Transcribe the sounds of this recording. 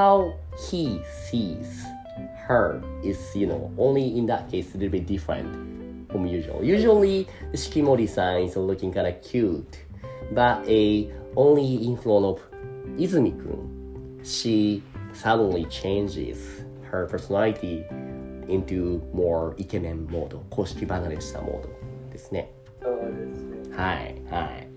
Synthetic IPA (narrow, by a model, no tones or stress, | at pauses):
haʊ | hisiz̥ | hə˞ɪz̥jɨno̰ʊʔõʊ̃nliɪ̃nðət̚kʰeɪsɨɾɨbɪt̚d̥ɪfɹɨ̰̃nt | fɹə̃mjʉʒwə̰l̩ˠjʉʒəl̩ˠiðɨskĩmoʊɾisãɪ̃nzəlʊkɪ̃ŋkʰãɪ̃ndɨkʰj̥ʉt | bʌɾɨõʊ̃nliɪ̃ɱfluə̃nɔv | izɨmikʰɨ̰̃n | ʃisadn̩lit͡ʃʰẽnd͡ʒɪ̰z̥ | hə˞pʰə˞sənalit̪i | ĩntumoɹikemẽnːod̪okʰoːʃkʲibaɡaɾe̥t̪a̰mʔo̰d̪od̪̥esnḛ | o | haɪhaɪ